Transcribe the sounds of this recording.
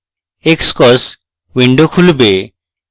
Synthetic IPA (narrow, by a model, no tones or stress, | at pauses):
ekskɔs | wiɳɖokʰulbe